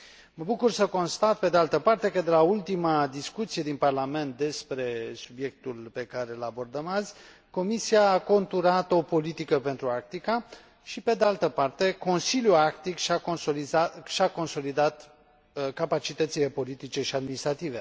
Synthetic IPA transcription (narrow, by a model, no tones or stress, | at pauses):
məbukursəko̞nst̪at̪̚pe̞d̪e̞alt̪əpart̪e̞kəd̪e̞lault̪imad̪iskut̪sije̞d̪inparlame̞nt̪̚d̪e̞spɾe̞subje̞k̚t̪ulpe̞kaɾe̞labo̞rd̪əmazʲ | ko̞misiaːko̞nt̪uɾat̪o̞po̞lit̪ikəpe̞nt̪ɾuak̚t̪ika | ʃipe̞d̪ealt̪əpart̪e̞ko̞nsiljuakt̪ikʃaooiaʃako̞nso̞lid̪at̪ | kapat͡ʃit̪ət̪sile̞po̞lit̪it͡ʃe̞ʃiad̪minist̪ɾat̪ive